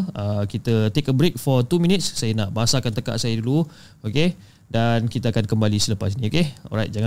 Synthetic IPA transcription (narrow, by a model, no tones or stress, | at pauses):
əkit̪ət̪ekənbɾek̚fɔt̪umĩnit̪̚ssajənaʔbaɦasakant̪əka̰ʔsajədulu | oke | dankit̪aːkankəmbalisələpasinĩokeɔ̰ɾajt̚d͡ʒaŋã